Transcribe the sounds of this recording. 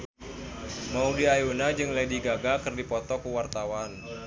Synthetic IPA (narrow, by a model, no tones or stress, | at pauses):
maudiajunad͡ʒɨŋlədiɡaɡakɨrdipɔt̪ɔkuwart̪awan